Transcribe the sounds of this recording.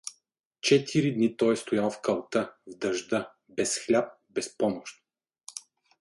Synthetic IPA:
t͡ʃɛt̪ʰiɾid̪nit̪ɔjst̪ʊjalˠfkəlˠt̪əvd̪ɐʒd̪ə | bɛsxlʲap̚ | bɛspɔmʊʃt̪

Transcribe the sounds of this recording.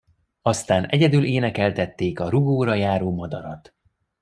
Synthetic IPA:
ɒst̪aːnɛɟɛd̪yleːnɛkɛlt̪ɛt̪ːeːkɒɾuɡoːɾɒjaːɾoːmɒd̪ɒɾɒt̪

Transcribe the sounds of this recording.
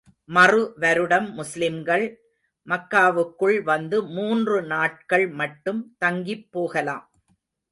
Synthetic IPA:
mɐrɯʋɐɾɯɽɐmːʊslɪmɡɐɭ | mɐkːaːʋɯkːɯɭʋɐnd̪ɯmuːndrɯnaːʈ̚kɐɭmɐʈːɯmt̪ɐŋɡɪpːoːɣɐla̰ːm

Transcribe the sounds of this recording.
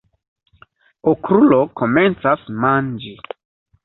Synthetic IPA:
okɾulokoment͡sasmand͡ʒi

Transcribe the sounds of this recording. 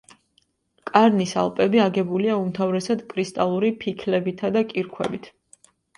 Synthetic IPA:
kʼaɾnisa̰lˠpʼɛbiaɡɛbuliaumt̪ʰavɾɛsad̪kʼɾist̪ʼalˠuɾipʰikʰlɛbit̪ʰad̪akʼiɾkʰwɛ̰bit̪ʰ

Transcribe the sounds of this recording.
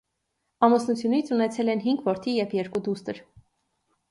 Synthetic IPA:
ɑmɔsnut͡sʰjunit͡sʰunɛt͡sʰɛlɛnɦiŋɡvɔɾt̪ʰijɛvjɛɾkud̪ust̪əɾ

